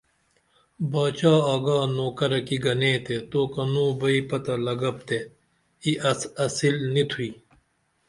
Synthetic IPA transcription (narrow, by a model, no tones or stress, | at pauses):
baːt͡ɕaːaːɡaːnoːkɐɾɐkiɡɐneːt̪et̪oːkɐnũːbɐipɐt̪ɐlɐɡɐp̚t̪e | iʔɐsilnit̪ʰuiː